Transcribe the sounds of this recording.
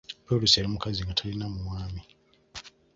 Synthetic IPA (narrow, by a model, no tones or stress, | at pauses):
peluseɾimukaziŋɡatʰalinamuwaːmi